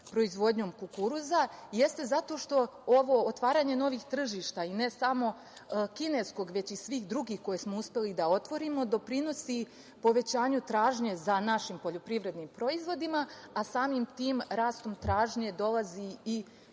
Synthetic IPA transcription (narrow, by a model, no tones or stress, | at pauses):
pɾo̞izʋo̞d̪ɲo̞ːmkukuɾuzaje̞st̪e̞zat̪o̞ʃt̪o̞oʋo̞ːt̪ʋaːɾaːɲe̞no̞ʋixt̪r̩ʒiʃt̪aine̞samo̞ | kine̞ːsko̞ɡʋe̞t͡ɕisʋiːxd̪ɾuɡiːxko̞jesmo̞uspe̞lid̪ao̞t̪ʋo̞ɾimo̞d̪o̞pɾino̞si | po̞ʋe̞t͡ɕaːɲut̪ɾaːʒɲe̞zanaʃimpo̞ʎo̞pɾiʋɾe̞d̪nimpɾo̞izʋo̞d̪imaasaːmimt̪iːmɾaːst̪o̞mt̪ɾaːʒɲe̞d̪o̞lˠaziː